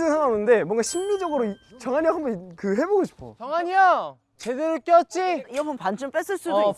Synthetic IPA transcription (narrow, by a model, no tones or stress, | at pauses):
ɯsʰaŋamɯnde̞mwʌŋɡaɕʰimːid͡ʑʌɡɯɾot͡ɕʌŋaɲiaɦambʌnkɯɦe̞boɡoɕʰi̥pʰo̰t͡ɕʌŋaɲia | t͡ɕe̞deɾɯɭk͈jʌt̚t͡ɕ͈iiʌpɯnpant͡ɕʰɯmp͈es͈ɯɭs͈ud